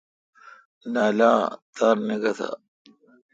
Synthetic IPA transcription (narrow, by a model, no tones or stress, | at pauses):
naːlaːt̪aːɾneɡɐt̪ʰa̰